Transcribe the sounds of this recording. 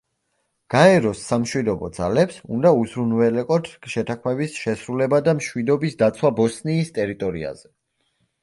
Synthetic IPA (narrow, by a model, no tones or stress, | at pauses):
ɡ̥aɛɾɔsːamʃwid̪ɔbɔ̰d̪za̰lɛpsṵnd̪auzɾunvɛlɛqʼɔt̪ʰʃɛt̪ʰaχmɛbisʃɛsɾulɛbad̪amʃwid̪ɔbisd̪at̪sʰwabɔsniːst̪ʼɛɾit̪ʼɔɾḭa̰z̥ɛ